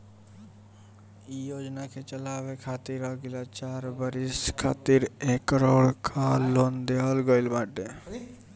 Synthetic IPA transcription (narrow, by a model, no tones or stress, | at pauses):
iːjoːd͡ʒnakʰet͡ʃəlaːʋekʰaːt̪iɾaɡilat͡ʃaːɾbəɾiskʰaːt̪iɾekɾoːɭkʰalːond̪ealɡəɪlbãːʈe